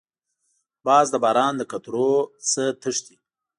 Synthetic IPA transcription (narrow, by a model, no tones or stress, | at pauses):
bɑːzd̪əbɑːɾɑːnd̪əkat̪ɾot͡sət̪əʂt̪i